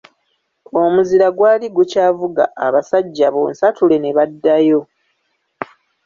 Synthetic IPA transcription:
o̞muziɾaɡwaːliɡucaːvuɡa̰ːβasaɟːaβo̰nsatule̞ne̞βadːajo̞

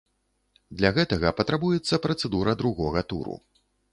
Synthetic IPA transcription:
d̪lʲaɣɛt̪ɐɣɐpɐt̪ɾabujɛt̪sːɐpɾɐt̪sɛd̪uɾɐd̪ɾuɣɔɣɐt̪ṵɾṵ

